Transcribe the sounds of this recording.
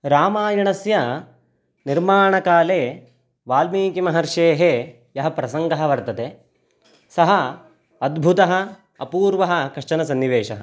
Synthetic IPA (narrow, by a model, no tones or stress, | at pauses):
ɾaːmaːjɐɳɐsjɐ | niɾmaːɳɐkaːleː | ʋaːlmiːkimɐɦɐɾʂeːɦe | jɐɦɐpɾɐsɐŋɡɐɦɐ̆ʋɐɾt̪ɐt̪e | sɐɦɐ | ɐd̪bʱut̪ɐɦɐ̆ | ɐpuːɾʋɐɦɐ̆kɐʂt͡ʃɐnɐsɐnːiʋeːʂɐɦɐ̰